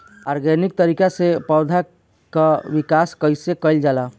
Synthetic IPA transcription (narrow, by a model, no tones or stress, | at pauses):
a̰ɾɡɛnik̚t̪əɾikasepəd̪ʱa | kaʋikaskəjsekəɪld͡ʒala